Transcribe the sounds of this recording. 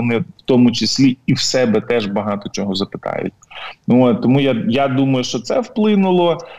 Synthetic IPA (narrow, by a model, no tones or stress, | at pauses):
ɔnɪwt̪ɔmʊt͡ʃɪsʲlʲiiwsɛbɛt̪ɛʒbɐɦɑt̪ɔt͡ʃʲɔɦɔzɐpɪ̥t̪ɑ̰jʊ̰tʲnuoːt̪t̪ɔmujajad̪umɐjʊʃt͡ʃɔt̪sɛwplˠɪnʊlˠɔ